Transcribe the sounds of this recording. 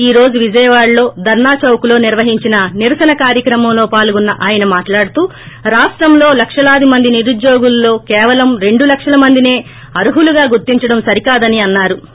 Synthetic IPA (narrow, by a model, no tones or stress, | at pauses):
iːɾo̞ːd͡ʒuʋid͡ʒɐjɐʋaːɽlo̞ːd̪ʱɐɾnaːt͡ʃɐwkulo̞ːniɾʋɐɦiɲt͡ʃinɐniɾɐsɐnɐkaːɾjɐkɾɐmɐmlo̞ːpaːluɡunːɐʔaːjɐnɐmaːʈlaːɽut̪uː | ɾaːsʈɾɐmlo̞ːlɐkʂɐlaːd̪imɐnd̪iniɾud̪jo̞ːɡulːo̞ːkɛːʋɐlɐmɾe̞ɳɖulɐkʂɐlɐmɐnd̪ine̞ː | ɐɾuɦuluɡaːɡuɾt̪iɲt͡ʃɐɽɐmsɐɾikaːd̪ɐniɐnːaːɾu